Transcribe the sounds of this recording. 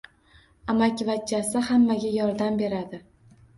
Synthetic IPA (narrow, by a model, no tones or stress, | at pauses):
amakʲvat͡ʃːasɪhamːaɡʲajɒɾd̪ambe̞ɾad̪ɪ